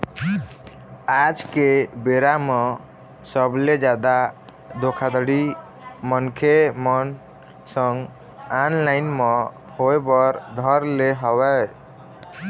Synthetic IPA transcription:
ad͡ʒkebeɾame | səbled͡ʒad̪a | d̪okʰad̪əɽi | mənkʰemən | sə̃ŋɡ | anlaɪnme | hoebəɾd̪ʱəɾleɦəwɛ

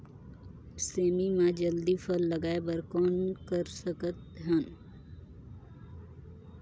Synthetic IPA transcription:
seːmimãd͡ʒəld̪ifʰəlːɐɡaːebɐɾkɔːnkəɾsəkət̪̚ɦən

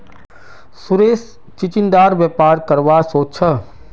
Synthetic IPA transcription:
sʊɾeːs | t͡ʃɪt͡ʃɪnd̪aːɾʋjɛːpaːɾkəɾʋasoːt͡ʃʰə

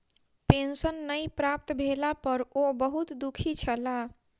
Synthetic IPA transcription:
pensənːəjpɾap̚t̪bʱelapəɾobəɦut̪d̪ukʰit͡ʃʰəla

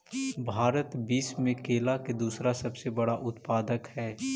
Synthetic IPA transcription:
bʱaːɾət̪biːsmẽkeːlaked̪uːsɾasɐbsebɐɽaʔʊt̪paːd̪əkhɛː

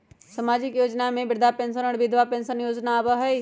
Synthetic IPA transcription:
sɐmaːd͡ʒɪkjoːd͡ʒnamẽbɪɾd̪ʱapẽːnsənəɽʋɪd̪ʱʋapẽːnsənjoːd͡ʒnabəɦɐi

